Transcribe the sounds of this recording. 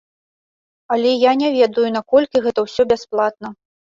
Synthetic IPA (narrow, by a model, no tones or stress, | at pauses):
ɐlʲɛjanʲɛvʲɛd̪ujunakɔlʲkʲiɣɛt̪ɐwsʲɔbʲɛsplˠat̪̚nɐ